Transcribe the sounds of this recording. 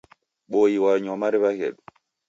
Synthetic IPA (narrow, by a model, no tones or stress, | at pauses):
ɓojiwaɲɔmaɾibakɛ̰ɗu